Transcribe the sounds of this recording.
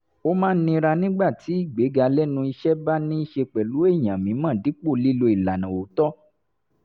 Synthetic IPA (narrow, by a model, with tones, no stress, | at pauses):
o˦mãː˦n̩˦nĩ˧ɾa˧nĩ˦ɡ͡ba˦˨ti˨˦i˦˨ɡ͡be˨˦ɡa˧lɛ˦nũ˧i˧ʃɛ˦ba˦nĩ˦i˦ʃe˧k͡pɛ˨lu˨˦e˦˨j̃ã˨mĩ˨˦mã˦˨di˨˦k͡po˦˨li˦lo˧i˨la˨nã˨o˨˦tɔ˦